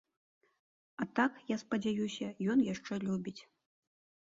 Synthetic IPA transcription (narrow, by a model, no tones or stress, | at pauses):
ɐt̪akjaspɐd͡zʲajusʲɐjɔnjaʂt͡ʂɛlʲubʲit͡sʲ